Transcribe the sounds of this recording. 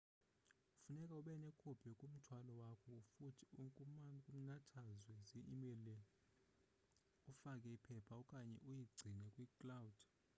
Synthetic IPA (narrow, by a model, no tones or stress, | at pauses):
ufunɛkʼauɓɛnɛkʰʼub̥ʰʱɛkʼum̩tʰwalɔwakʰɔfutʰi̥uŋkʼukʼum̩natʰazwɛziimɛlɛ | ufakʼɛipʰɛpʰaɔkʼaɲɛ̰ʔujiɡ͡ǀʱinɛkʼwikʼlawud̥